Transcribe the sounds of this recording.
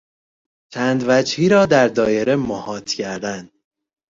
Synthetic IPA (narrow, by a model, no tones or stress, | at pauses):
t͡ʃʰæːnd̪væd͡ʒhiːɾɒːd̪æɾd̪ɒːjeɾemohɒːt̪ʰcʰæɾd̪ænd̪